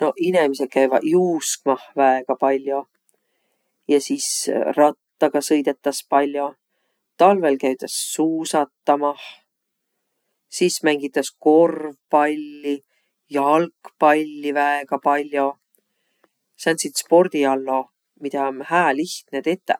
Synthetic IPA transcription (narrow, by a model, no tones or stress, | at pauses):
no̞inemisek̪̚kæjvɑ̰juːskmɑhvæeɡ̥ɑpɑlʲːjo̞ | jɑsisrɑt̪ːɑɡ̥ɑsɤjd̪e̞t̪ːˑɑspɑlʲːjo̞ | t̪ɑlve̞lkæjt̪ˑɑsːuːsɑt̪ːɑmɑh | sismæŋɡ̥it̪ːˑɑsko̞rvpɑlʲːi | jɑɑɑlkpɑlʲːivæeɡ̥ɑpɑlʲjo̞ | sɑnt̪sit̪spo̞rd̪̥iɑlːo̞ | mid̪ɑmhæːliht̪net̪e̞t̪ːˑe